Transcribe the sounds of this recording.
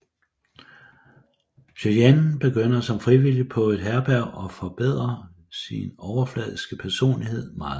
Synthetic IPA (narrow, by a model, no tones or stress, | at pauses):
ɕøjænnb̥e̝ɡ̥øn̰ɐsɒ̽mfʁiʋilipʰɒ̽e̝d̥ɦæɐb̥æʊ̰ɒ̽fɒ̽b̥eð̰ˠʁɐ | sinɒʊɐflɛ̰ːðˠisɡ̥əpʰæɐso̝̰ːnlihe̝ð̞̰ˠmɑ̈ːð̩ˠ